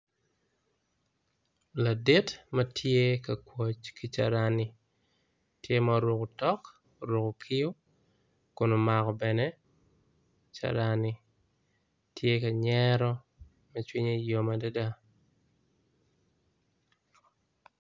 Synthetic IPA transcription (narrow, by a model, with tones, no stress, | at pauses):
la˨dɪ˦tmɐtʰje˦ka˨kwo˨t͡ʃki˦t͡ʃa̰˨ɾanɪ˨ | tje˦maɾwo˨ko˨tɔ˦k | ɾwo˨ko˨kʰɪ˦o˦ | kʊ˨no˨ma˨kɔ˨bɛ˨nɛ˦ | t͡ʃa̰˨ɾanɪ˦ | tʰje˦ka˨ɲɛɾɔ˦ | mɛ˦t͡ʃwi˦ɲe˦jo˨mada˦da˦